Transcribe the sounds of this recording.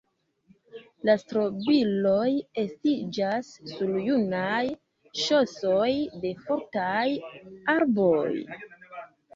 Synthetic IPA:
lastɾo̞bilo̞je̞stid͡ʒasːuljunaj | ʃo̞so̞jde̞fo̞ɾtajaɾboj

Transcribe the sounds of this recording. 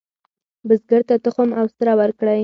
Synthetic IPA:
bəzɡəɾt̪at̪əxʊmawst̪ɾawəɾkɽaj

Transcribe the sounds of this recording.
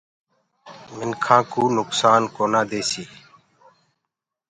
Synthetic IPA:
mɪnkʰãːkuːnʊksaːnkoːnãːd̪eːsiː

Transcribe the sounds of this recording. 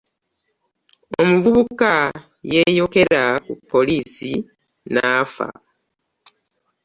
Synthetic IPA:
o̞muvuβuka | je̞jo̞ke̞ɾakupːo̞liːsi | naːfa̰

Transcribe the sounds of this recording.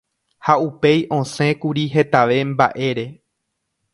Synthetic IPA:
haupe̞jʔõ̞sẽ̞kuɾiɦe̞t̪aʋe̞mba̰ʔe̞ɾe̞

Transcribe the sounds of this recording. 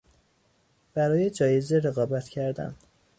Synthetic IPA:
b̥æɾɒːje̞d͡ʒɒːjezeɾe̞ɣɒːbæt̪ʰcʰæɾd̪æ̰n

